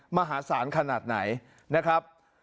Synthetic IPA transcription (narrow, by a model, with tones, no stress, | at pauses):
ma˧ɦaː˩˦saː˩˦nkʰa˧naː˨˩t̪̚na̰˩˦j | na˦˥kʰɾa˦˥p̚